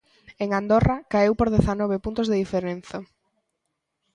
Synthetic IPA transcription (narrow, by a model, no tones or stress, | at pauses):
eŋand̪orakaewpoɾðeθanɔβ̞epunt̪ʊzðeðifeɾen̟θɐ